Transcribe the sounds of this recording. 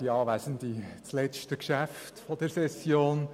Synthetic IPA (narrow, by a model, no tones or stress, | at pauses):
iɑːʋæsənd̪it͡slɛt͡ʃtəkʃæftfɔd̥̪ɛɾsɛsjoːn